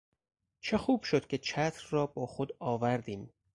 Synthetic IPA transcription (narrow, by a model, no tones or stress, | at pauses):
t͡ʃʰe̞xuːb̥ʃo̞d̪̥cʰʲe̞t͡ʃʰæt̪ʰɾrɒːbɒːxod̪ɒːvæɾd̪iːm